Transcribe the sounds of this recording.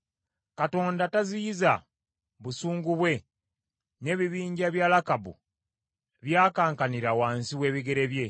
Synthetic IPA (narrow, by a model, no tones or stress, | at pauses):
kato̞ːndatazijiza | βusuːŋɡuβwe̞ | ne̞ːβiβiːɲɟaβjaːlakabṵ | βjaːkaːŋkaniɾawaːnsiwe̞ːβiɡe̞ɾe̞βje̞